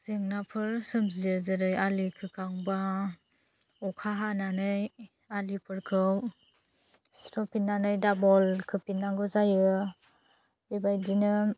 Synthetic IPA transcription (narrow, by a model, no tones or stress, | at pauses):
z̥ɯŋnapʰɯɾsɯmziɯzɯɾɯjalikʰɯkʰaŋba | ɔkʰaɦananɯj | alipʰɯɾkʰɯw | stɔpinːanɯjdabɔlkʰɯpinːaŋɡɯzajɯ | bebajdinɯ